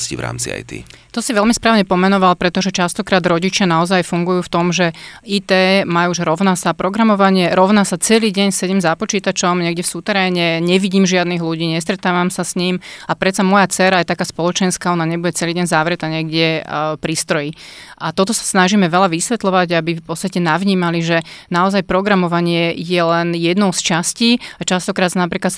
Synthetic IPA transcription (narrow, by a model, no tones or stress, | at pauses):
scḭʋɾa̰ːmt͡sia̰jt̪ḭt̪ɔsiʋɛlmispɾaːʊɲɛpɔmɛnɔʋalpɾɛt̪ɔʒɛt͡ʃast̪ɔkɾaːd̪ɾɔɟit͡ʃɪanaɔzajfuŋɡujuːft̪ɔmʒɛiːt̪ɛːmajuːʒɾɔʊnasapɾɔɡɾamɔʋaɲɪɛɾɔʊnasat͡sɛliːɟɛɲsɛɟɛmzapɔt͡ʃiːt̪at͡ʃɔmɲɛɡɟɛfsut̪ɛɾɛːɲɛɲɛʋiɟiːmʒɪad̪niɣluɟiːɲɛst̪ɾɛt̪aːʋamsasɲimapɾɛt̪t͡samɔjat͡sɛɾajɛt̪akaːspɔlɔt͡ʃɛnskaɔnaɲɛbuɟɛt͡sɛliːɟɛɲzaʋɾɛt̪aɲɪɛɡɟɛpɾiːst̪ɾɔjiʔat̪ɔt̪ɔsḁsnaʒimɛʋɛlaʋisʋɛt̪lɔʋaɟabifpɔt̪st̪acɛnaʋɲiːmaliʒɛnaɔzajpɾɔɡɾamɔʋaɲɪɛjɛlɛnjɛd̪nɔʊst͡ʃasciːat͡ʃast̪ɔkɾaːd̪snapɾiːklat̪